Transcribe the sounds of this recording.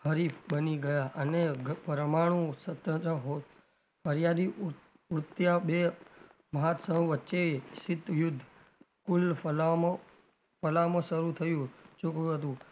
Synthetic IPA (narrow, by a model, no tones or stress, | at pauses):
həɾifbəniɡəjaʔəneɡpəɾmaɽ̃ũsət̪ə̃t̪ɾəɦo | fəɾjad̪i | ʊɾt̪jabe | məɦat̪səɦũʋətːt͡ʃeʃɪt̪ːjʊd̪ʱː | kʊlla | fəlamãʃəɾut̪ʰəjũt͡ʃʊkjũɦət̪̬ũ